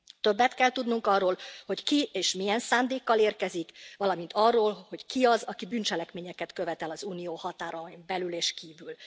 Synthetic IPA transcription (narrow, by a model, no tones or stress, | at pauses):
t̪ø̞bːɛt̪kɛlt̪ud̪nuŋkɒrːoːlho̞ckieːʃmijɛnsaːnd̪eːkːɒleːrkɛzikʋɒlɒmint̪ɒrːoːlho̞ckiɒzɒkibynt͡ʃɛlɛkmeːɲɛkɛt̪kø̞vɛt̪ɛlɒzuːnijoːhɒt̪aːɾɒmbɛlyleːʃkiːvyl